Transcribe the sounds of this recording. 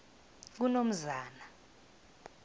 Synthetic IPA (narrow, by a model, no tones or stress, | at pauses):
k̬unom̩zaːna